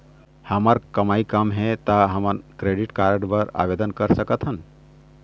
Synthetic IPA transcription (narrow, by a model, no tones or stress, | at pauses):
həməɾkəmaikamɦet̪aɦəmənkɾeɖiʈkaɾəɖbəɾa̰ʋed̪ənkəɾsəkət̪ʰɦən